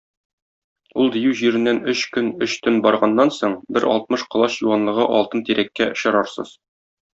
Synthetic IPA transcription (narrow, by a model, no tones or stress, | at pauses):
ulˠd̪ĭjʉʑiɾɘ̆nːænɵɕkɵnɵɕt̪ɵnbɒɾʁɑnːɑnsoɴbɘɾɒ̰lˠt̪̚mɤʃqŏlˠɑsjuwɑnlˠɤ̆ʁɤʔɒlˠt̪ɤnt̪iɾækːæʔŏɕɤ̆ɾɑɾsɤ̰z̥